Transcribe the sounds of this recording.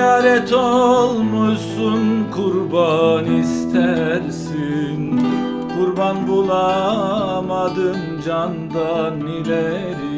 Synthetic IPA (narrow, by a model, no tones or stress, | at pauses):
aːɾɛt̪ʰolˠmusunkʰuɾbanist̪ʰæɾsin | kʰuɾbanbulˠa | mad̪ɯm | d͡ʒand̪anilɛ | ɾ